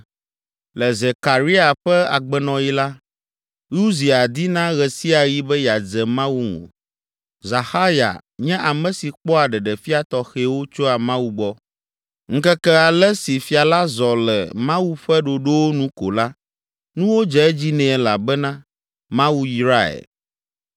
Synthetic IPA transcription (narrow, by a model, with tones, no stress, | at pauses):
lɛ˨ze˨ka˨ɾi˦a˨ɸɛ˦a̰˨ɡ͡bɛ˨nɔ̃˨ji˦la˦ | ju˦zi˨a˨d̪i˦nã˦ɣɛ˨si˦a˨ji˦bɛ˦ja˨d͡zɛ˨mã˦wu˦ŋõ̰˨ | za˨xa˦ja̰˨ | ɲɛ̃˦ʔa˨mɛ̃˨si˨k͡pɔ˦a˨ɖɛ˨ɖɛ˨fi˦a˨t̪ɔ˨xe˨wo˦t͡ʃo˦a˨mã˦wu˦ɡ͡bɔ˦ | ŋ̩˦kɛ˦kɛ˦a˨lɛ˦si˨fi˦a˨la˦zɔ˨lɛ̰˨mã˦wu˦ɸɛ˦ɖo˨ɖo˦wo˦nũ˦ko̰˨la˦ | nũ˦wo˦d͡ʒɛ˦ɛ˦d͡ʑi˦nɛ̃˨la̰˨bɛ˦nã˦ | mã˦wu˦ji˨ɾa˦ɛ̰˨